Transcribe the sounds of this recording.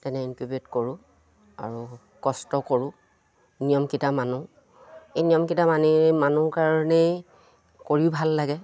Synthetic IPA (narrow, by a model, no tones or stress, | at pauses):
tɛnɛinkubetkoɹʊ̃ | a̰ɹu | kɔstɔkoɹʊ̃ | nijɔmkitamanu | ejnijɔmkitamanimanuɹkaɹɔnɛ | koɹibʱalːaɡɛ